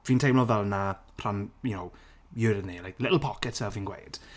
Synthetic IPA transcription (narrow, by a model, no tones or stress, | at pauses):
viːntʰejmlɔvɛlˠna | r̥anjunow | jʊɾnilajklɪʔl̩ˠpʰɔkɛtsɛlviːnɡwḛjd̥